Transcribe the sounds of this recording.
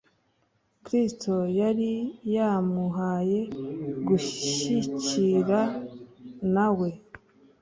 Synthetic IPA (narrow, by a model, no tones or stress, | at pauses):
kɾisto̞jaɾijamuɦaːje̞ɡuʃʃiciɾa | nawe̞